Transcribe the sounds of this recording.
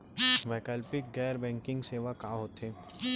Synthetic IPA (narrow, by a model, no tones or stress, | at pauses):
ʋɛːkəlpɪk̚ɡɛːɾbɛ̃ːŋkɪ̃ŋɡseːʋakaːɦoːt̪eː